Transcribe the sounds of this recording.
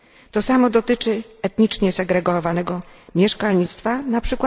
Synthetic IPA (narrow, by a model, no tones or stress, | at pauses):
t̪ɔsamɔd̪ɔt̪ɘt͡ʂɘɛt̪ɲit͡ʂɲɛsɛɡɾɛɡɔvanɛɡɔmʲjɛʂkalɲit̪st̪fanapʂɘkwa